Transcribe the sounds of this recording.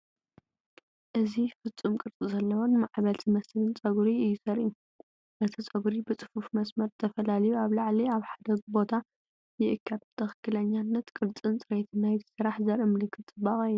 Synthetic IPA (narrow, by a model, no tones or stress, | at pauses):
ʔɨzifɨt͡sʼumkʼɨɾt͡sʼizɐlːɐwonmaʕβɐlt̪ʰimɐslɨnt͡sʼɐɡɾiɨjːɪsɐɾʔu | ʔɨt̪ʰit͡sʼɐɡɾibɨt͡sʼɨ̥fufmɐsmɐɾt̪ʰɐfɐlalɐjuaβlaʕliaβħad̪ɐɡbo̞t̪ʰa | jɪʔɨkʰːad̪bɨt̪ʰɐxɨkːɨlɐɲːanːɐt̪kʼɨɾt͡sʼɨnt͡sʼɨɾet̪ʰɨnajzɨsɨɾaħzɐɾɨmɨlɨkʰːɨt̪ɨbaxʼɐj